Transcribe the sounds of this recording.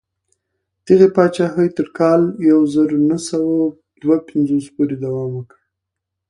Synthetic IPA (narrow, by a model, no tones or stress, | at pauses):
d̪̥əɣepɑt͡ʃɑxəjt̪əɾkɑljawzəɾonəsawa | d̪wapɪnzospuɾed̪awɑmwəkɽ